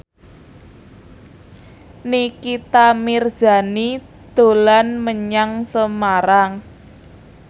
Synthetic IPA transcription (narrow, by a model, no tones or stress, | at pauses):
nikit̪amir̥ʒ̥a̤ni | d̪̥o̤lanməɲaŋsəmaɾaŋ